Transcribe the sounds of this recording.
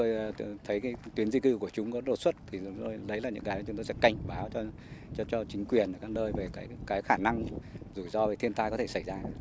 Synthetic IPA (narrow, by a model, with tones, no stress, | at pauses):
o˧jt̪ʰə˨˦jkaː˨˦jt̪wi˨˦ənzi˧kɨ˧ku˧˩ət͡ɕʊ˨˦ŋ͡mkɔ˨˦ɗo˨˩t̚swə˦˥t̚t̪ʰi˨˩˨o˧jlə˨˦jlaː˨˩ɲɨ̰˧˥ŋkaː˨˦jt͡ɕʊ˨˦ŋ͡mt̪o˧jsɛ̰˧˥ka˧˩jŋ̟ɓaː˨˦wt͡ɕɔ˧ | t͡ɕt͡ɕɔ˧t͡ɕï˨˦ŋ̟kwi˨˩ənʔəː˨˩kaː˦˥k̚nəː˧jve˨˩kaː˨˦jkaː˨˦jxaː˧˩na˧ŋzu˧˩zɔ˧ve˨˩t̪ʰi˧ənt̪aː˧jkɔ˨˦t̪ʰe˧˩sa˧˩jzaː˧